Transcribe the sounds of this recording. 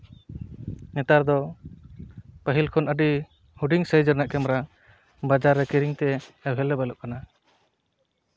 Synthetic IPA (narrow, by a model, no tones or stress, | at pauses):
nɛt̪aɾd̪ɔ | pəɦilkʰɔnʔəɖi | huɖiŋsəjd͡ʒəɾnaʔkɛmɾa | bad͡ʒaɾːɛkiɾiŋt̪ɛɛwɦɛlɛbalɔʔ̚kana